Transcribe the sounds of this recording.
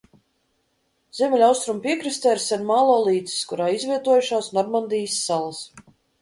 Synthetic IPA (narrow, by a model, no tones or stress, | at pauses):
zʲɛmʲɛlʲawst̪ɾumpʲiɛkɾist̪ɛːɾsɛnmaːlˠɔːlˠiːt̪si̥skuɾaːizvʲiɛt̪uɔjuʃaːsnɔɾmand̪ijsːalˠas